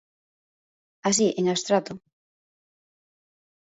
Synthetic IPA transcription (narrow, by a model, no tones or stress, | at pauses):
asiʔeŋast̪ɾat̪ʊ